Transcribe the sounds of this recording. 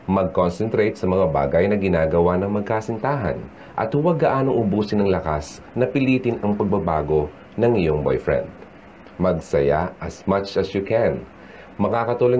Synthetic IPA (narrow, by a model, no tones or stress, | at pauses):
mɐɡ̚konsɛnt̪ɾejt̪sɐmɐŋaba̰ːɡɐjnɐɡɪnaːɡɐwanɐŋmɐɡ̚kaːsɪnt̪aːɦɐ̰n | ʔɐ̰t̪hʊwɐɡ̚ːɐʔaːnoŋʔʊbuːsɪnɐŋlɐkas | nɐpɪliːt̪ɪnɐŋpɐɡ̚bɐbaːɡo̞ | nɐŋɪjo̞ŋbo̰jfɹɛ̰nd̪̚ | mɐɡsɐja̰ʔɐsmat͡ʃɐsjukʰɛn | mɐkaːkɐt̪uːloj